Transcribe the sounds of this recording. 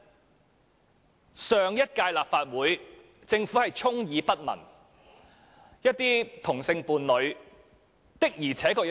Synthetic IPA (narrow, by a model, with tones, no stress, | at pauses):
sœː˨ŋjɐ˥t̚kaː˧jlaː˨p̚faː˧t̚wuː˨˥j | t͡sɪ˧ŋfuː˨˥hɐ˨jt͡sʰʊ˥ŋjiː˨˧pɐ˥t̚mɐ̰˨˩n | jɐ˥t̚t̪iː˥t̪ʰʊ˨˩ŋsɪ˧ŋpuː˨˩nlɵ˨˧ɥ | t̪ɪ˥k̚jiː˨˩t͡sʰɛː˨˥kɔː˧